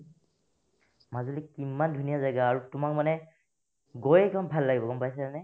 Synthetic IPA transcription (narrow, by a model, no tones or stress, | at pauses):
mazulikimandʱunijazajɡaːɹutʊmak̚manɛ | ɡojɛkɔmbʱalːaɡibɔɡɔmpajs̬ɛanɛ